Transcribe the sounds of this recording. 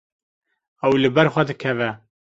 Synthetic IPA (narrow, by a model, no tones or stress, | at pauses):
ɛwlɨbɛɾxʷɛd̪ɨkʰɛvɛ